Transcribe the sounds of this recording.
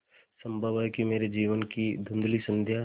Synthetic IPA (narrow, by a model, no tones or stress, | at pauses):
sɐ̃mbʱəʋəkimeːɾed͡ʒiːʋənkid̪ʱʊ̃nd̪lisɐ̃nd̪ʱja